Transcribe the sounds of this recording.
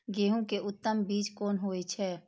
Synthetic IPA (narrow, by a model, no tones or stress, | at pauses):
ɡeːɦũkeʔʊt̪ːəmbiːt͡ʃkoːnɦoːet͡ʃʰɛː